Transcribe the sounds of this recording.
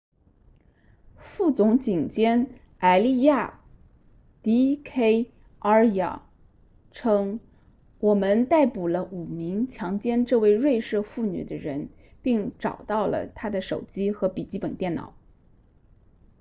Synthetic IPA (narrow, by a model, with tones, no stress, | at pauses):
fu˥˩t͡sʊ˧˥ŋt͡ɕi˨˩ŋt͡ɕjɛ˥n | a˨˩ɪli˥˧ja˥˩ | t̪i˥kʰe˥ɪ | ə˞˥jɑ̰˨˩ | ʈ͡ʂʰɤ˥ŋ | wɔ˨˩mə˦˥nt̪a˥˩ɪpu˨˩lə˦ʔu˨˩mi˧˥ŋt͡ɕʰjɑ˧˥ŋt͡ɕjɛ˥nʈ͡ʂɤ˥˧we˥˧ɪɻwe˥˧ɪʂɤ˥˧fu˥˩ny̰˨˩d̪ə˦ɻə˧˥n | pi˥˩ŋʈ͡ʂɑ̰˨˩ʊt̪ɑ˥˩ʊlə̰˩t̪ʰa˥d̪ə˨ʂo˨˩ʊt͡ɕi˥xɤ˧˥pi˨˩t͡ɕi˥pə˨˩nt̪jɛ˥˩nɑ̰˨˩˦ʊ